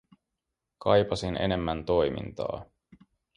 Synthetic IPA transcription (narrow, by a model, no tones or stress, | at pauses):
kʰɑjpɑsinʔe̞̰ne̞mːænt̪o̞jmḭnt̪ɑ̰ː